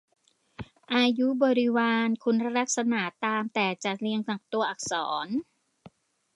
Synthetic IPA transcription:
ʔaː˧ju˦˥bɔː˨˧ɾi˦˥waː˧nkʰu˧nɾa˦˥ɾa˦˥k̚sa˧na˨˩˦t̪aː˧mt̪ɛː˨˩t͡ɕa˨˩li˧əŋna˨˩k̚t̪u˧ɐʔa˨˩k̚sɔ̰ː˩˦n

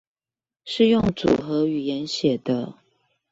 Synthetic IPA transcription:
ʂɻ̩˥˧jʊ˥˨ŋt͡sṵ˨˩xɤ˧˥y˨˩jɛ˨˦nɕjɛ˨˩d̪ə˦

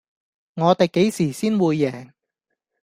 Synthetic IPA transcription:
ŋɔː˨˧t̪e˨jke˨˥jsiː˨˩siː˥nwuː˨˧jːɛː˨˩ŋ

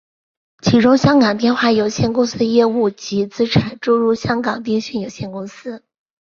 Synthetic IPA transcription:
t͡ɕʰi˧˥ʈ͡ʂʊ˥ŋɕjɑ˥ŋkɑ˨˩ŋp̪jɛ˥˧nxwa˥˩jo˨˩ʊɕjɛ˥˩nkʊ˥ŋsɹ̩˥jɛ˥˧u˥˩t͡ɕi˧˥t͡sɹ̩˥ʈ͡ʂʰa˨˩˦ʈ͡ʂu˥˧ɻu˥˧ɕjɑ˥ŋkɑ˨˩ŋt̪i˥˧ŋɕy˥˩njo˨˩ʊɕjɛ˥˩nkʊ˥ŋsɹ̩˥

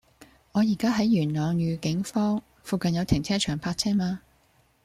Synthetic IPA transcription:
ŋɔː˨˧jiː˨˩kaː˥ɦɐ˨˥jːyː˨˩nlœː˨ŋjyː˨˧kɪ˨˥ŋfɔː˥ŋ | fuː˨˧kɐ˨njɐ˨˧wt̪ʰɪ˨˩ŋt͡sʰɛː˥t͡ʃʰœː˨˩ŋpʰaː˧t̚t͡sʰɛː˥maː˧

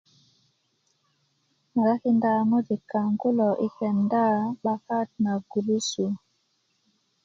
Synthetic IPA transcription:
ma˨ɾa˦ki˦nda˦˨mo˦di˨ka˨ŋɡu˦lɔ˨ʔi˦kɛ˨nda˦ɓa˦ka˦t̚na˨ɡu˨lu˦su˨

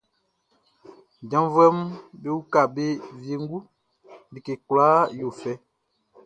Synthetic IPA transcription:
d͡ʒã˨˦vɛ˦m˦be˦wu˦ka˨be˦vi˨e˨ŋ˦ɡu˦ | bi˨ke˨klaː˨˦jo˨fɛ˦

